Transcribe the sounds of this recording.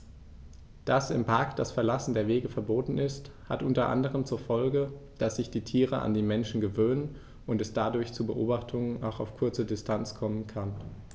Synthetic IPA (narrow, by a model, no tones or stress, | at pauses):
d̥asɪmpʰaɐkd̥asfɛɐlasn̩deːɐveːɡəfɛɐboːtn̩ɪstha̰tʔʊntɐʔa̰ndəʁ̞əmt͡suːɐfɔlɡə | d̥asz̥ɪçd̥iːtʰiːʁəʔa̰ndiːmɛnʃn̩ɡəvøːnən | ʊntɛsd̥adʊɐçt͡suːbəʔoːbaχtʰʊŋəna̰xaʊfkʰʊɐt͡sədɪstʰant͡skʰɔmənkʰan